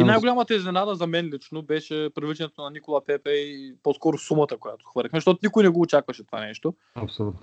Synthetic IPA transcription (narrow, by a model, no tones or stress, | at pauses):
inajɡolʲamət̪əɛznɛnad̪əzɐmɛnlit͡ʃnobɛʃɛpɾɐvlit͡ʃɛnɛt̪onɐnikolˠapɛpɛpɔskɔɾʊsumət̪əkojat̪o̥xvəɾlʲixmɛzʃt̪ɔt̪ʊnikojnɛɡoːt͡ʃakvɐʃɛt̪o̥va̰nɛʃt̪o | ɐpsolut̪n